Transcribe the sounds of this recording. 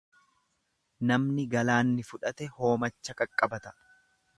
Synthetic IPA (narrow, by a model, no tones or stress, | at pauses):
nɐmnɪɡɐlaːnːɪfʊᶑɐt̪ɛho̞ːmɐt͡ʃːɐkʼɐkʼːɐbɐt̪ɐ̥